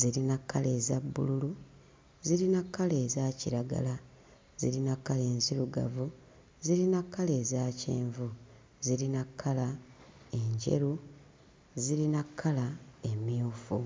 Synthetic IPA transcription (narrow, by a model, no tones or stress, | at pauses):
ziɾinakʰːale̞ːzabːṵlulu | ziɾinakʰːale̞ːzaːciɾaɡa̰la | zḭɾinakːale̞ːnziɾuɡa̰vu | ziɾinakːale̞ːzaːcḛːɱvu | ziɾinakʰːalae̞ɲɟe̞̰ɾu | ziɾinakʰːalae̞mjuːfu